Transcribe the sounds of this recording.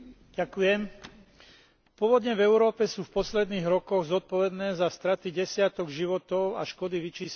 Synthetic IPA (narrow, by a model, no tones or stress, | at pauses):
ɟakujɛm | pʊɔʋɔd̪ɲɛvɛʊɾɔːpɛsuːfpɔslɛd̪niːɣɾɔkɔɣzɔt̪̚pɔʋɛd̪nɛːzast̪ɾat̪iɟɛsɪat̪ɔɡʒiʋɔt̪ɔʊa̰ʃkɔd̪iʋit͡ʃiːs